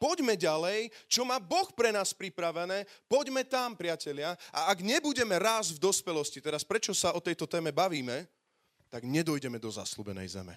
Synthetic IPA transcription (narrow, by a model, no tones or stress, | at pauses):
pɔɟmɛɟalɛjt͡ʃɔmaːbɔxpɾɛnaːspɾipɾaʋɛnɛːpɔɟmɛt̪ampɾɪacɛʎɪaʔaaɡɲɛbuɟɛmɛɾaːzvd̪ɔspɛlɔscit̪ɛɾaspɾɛt͡ʃɔsaɔt̪ɛjt̪ɔt̪ɛːmɛbaʋiːmɛ | t̪aɡɲɛd̪ɔjɟɛmɛd̪ɔza̰slubɛnɛ̰jzɛ̰mɛ̰